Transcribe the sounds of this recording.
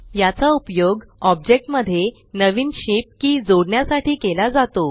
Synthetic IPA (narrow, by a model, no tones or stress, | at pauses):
jat͡saupjoɡɔb̚d͡ʑek̚ʈməd̪ʱːje | nəʋiːnɕip̚kiːd͡zoɽɳjasaʈiːkelad͡zat̪o